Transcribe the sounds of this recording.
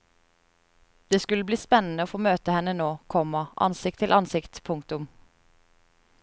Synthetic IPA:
d̪̥eːskʉləbliːspɛnn̩əoːfoːmøːt̪əhɛnənoːkʰɔmɑʔɑ̰nsɪk̚t̪ʰɪlʔɑnsɪkt̪pʰʊŋkt̪ʊm

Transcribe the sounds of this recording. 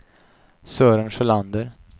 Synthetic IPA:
sœːɾənʂəland̪əɾ

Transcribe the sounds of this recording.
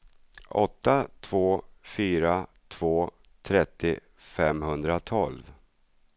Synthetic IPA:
ɔ̰t̪ːat̪ʰv̥oːfyːɾa | t̪ʰv̥oː | t̪ʰɾɛt̪ːɪ | fɛmhɵnd̪ɾat̪ʰɔlv

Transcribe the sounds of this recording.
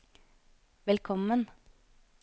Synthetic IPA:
ʋɛlkʰɔmən

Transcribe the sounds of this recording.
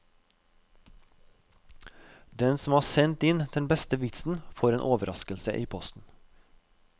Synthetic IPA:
d̪ɛnsm̩ɑːsɛnt̪ɪnd̪̥ɛnbɛst̪əʋɪt̪sn̩foːɾeːnʔoːʋəɾʔɑskəlsə̰ʔiːpʰɔst̪n̩

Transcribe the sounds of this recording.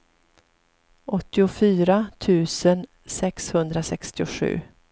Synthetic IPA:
ʔɔt̪ːɪʊfyːɾat̪ʰʉ̟ːsən | sɛkshɵnd̪ɾasɛkst̪ɪʊɧʉ̟̰ː

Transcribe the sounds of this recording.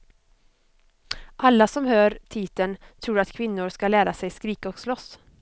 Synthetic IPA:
ʔalːasɔmhøːɾt̪ʰiːt̪ənt̪ʰɾuːɾat̪kʰvɪnːʊɾʂkalæːɾasɛjskɾiːkaɔkslɔs

